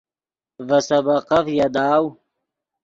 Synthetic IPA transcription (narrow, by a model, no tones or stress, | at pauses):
vɐsɐbɐqɐfjad̪aːw